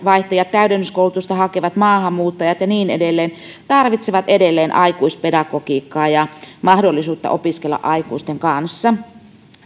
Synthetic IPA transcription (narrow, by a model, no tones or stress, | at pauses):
ʋɑiht̪ɑjɑt̪t̪ːæydænːyskoulut̪ust̪ɑhɑkeʋɑt̪mɑːhɑmːuːt̪ːɑjɑt̪jɑniːnedelːeːn | t̪ɑrʋit̪seʋɑt̪edelːeːnʔɑikuispedɑkokiːkːɑːjɑmɑhdolːisuːt̪ːɑ̰ʔopiskelːɑ̰ʔɑikuist̪eŋkɑnsːɑ